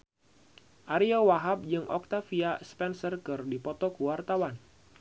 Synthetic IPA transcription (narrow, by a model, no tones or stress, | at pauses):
ʔaɾiɔwaɦap̚d͡ʒɨŋɔ̰k̚t̪afiaspɛnsərkɨrdipɔt̪ɔkuwart̪awan